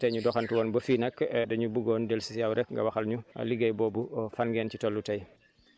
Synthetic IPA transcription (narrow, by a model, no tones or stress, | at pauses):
tɐjɲudɔxantuwɔːnbɐfiːnɐkdɐɲubuɡɔːndelsisjawɾʔɛkŋɡɐ̰wɐxɐlɲuɐ̰liɡɐjbɔːbufanɡeːncitolːutɐj